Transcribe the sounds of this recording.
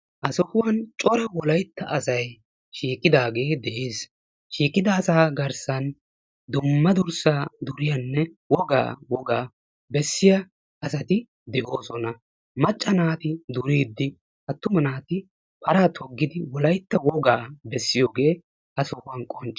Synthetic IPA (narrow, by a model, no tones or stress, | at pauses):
ʔɐsɔhʊwɐnt͡ʃʼɔɾɐwɔlɐjt̪ːɐʔɐsɐj | ʃiːkʼːɪd̪aːɡe̞ːd̪ɛʔeːs | ʃiːkʼːɪd̪ɐːsaːɡɐɾsɐn | d̪ʊmːɐd̪ʊɾsaːd̪ʊɾɪjɐnːɛ | wɔɡa̰ːwɔɡaː | bɛsːɪjɐ | ɐsɐt̪ɪ | d̪ɛʔo̞ːsɔnɐ | mɐt͡ʃʼːɐnaːt̪ɪd̪ʊɾiːd̪ːɪ | ʔɐt̪ːʊmɐnaːt̪ɪ | pɐɾaːt̪ʰɔɡːɪd̪ɪwɔlɐjt̪ːɐwɔɡaːbɛsːɪjoːɡe̞ː | ʔɐsɔhʊwɐnkʼɔnt͡ʃʼː